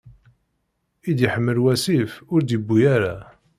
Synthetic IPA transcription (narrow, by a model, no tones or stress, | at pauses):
id̪jəħəmːəlwæsifʊɾd̪əbːujaɾa